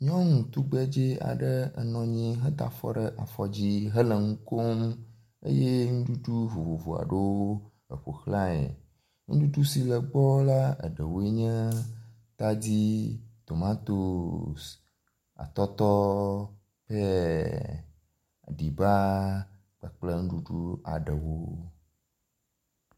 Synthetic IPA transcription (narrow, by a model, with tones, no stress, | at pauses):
ɲɔ̃˦ŋũ˨t̪u˦ɡ͡bɛ˦d͡ʒe˦a̰˨ɖə˦ə̰˨nɔ̃˨ɲĩ˦ɦə˦t̪a̰˨fɔ̰˦ɖə˨ʔa˨fɔ˨d͡ʑi˦ɦə˦lə˨ŋũ˦ko˦m | ḛ˦je˦ŋũ˦ɖu˦t̪u˦vo˨vo˨vo˨a̰˨ɖe˦wo˦ | ə˨ɸo̰˨xla˦ḛ˨ | ŋṵ̃˦ɖu˦tu˦si˨lə˨ɡ͡bɔ˦la˦ə̰˨ɖə̰˨wo˨˦e˦ɲɛ̃˦ | t̪a˦d͡ʑi˦t̪o˨mã˦t̪o˨s | a̰˨t̪ɔ˦t̪ɔ˦ | ɸɛ˦˨ | ɖi˨ba˦ | k͡pə˨k͡plə˦ŋ̩̃˦ɖu˦ɖu˦a̰˨ɖə˨wo˦